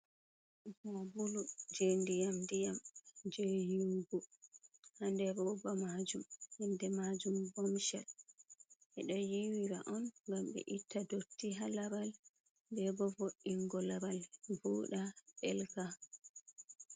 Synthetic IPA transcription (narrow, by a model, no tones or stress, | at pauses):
mɔbulud͡ʒendijamdijamd͡ʒejuŋɡu | handɛbɔbamad͡ʒumhandɛmad͡ʒumbɔmʃal | ʔɛɗɔjiwiɾaʔɔnŋɡamɓɛ̰ʔitʰːadotːiɦalabal | bɛbɔvoɗːiŋɡɔlabalbuːɗaɓɛlɡa